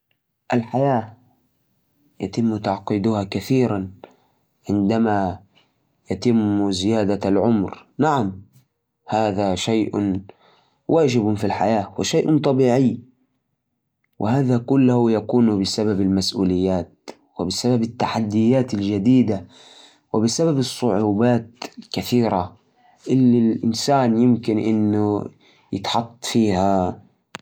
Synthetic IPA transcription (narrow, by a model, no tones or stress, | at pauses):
ʔalħajaː | jat̪ɪmːt̪aʕqiːd̪ʊhakaθiːɾan | ʕɪnd̪ama | jat̪ɪmːzɪjaːd̪alʕʊmɾnaʕam | haːðaʃajʔ | wʔaːd͡ʒɪbfilħa̰jaːwɪʃajʔnt̪ˤɑbiːʕɪjː | wʔɪhaːðakʊlːahʊjakuːnbɪsababalmasʔuːlɪjːaːt̪̚ | wɪbɪsababɪt̪ːaħad̪ːɪjːaːt̪ald͡ʒad̪iːd̪a | wɪbɪsababɨsˤːʊʕuːbaːt̪lkaθiːɾa | ʔɪlːilʔɪnsaːnjɪmkɪnʔɪnːʊ | jɪ̰t̪ħɑt̪ˤːfiːha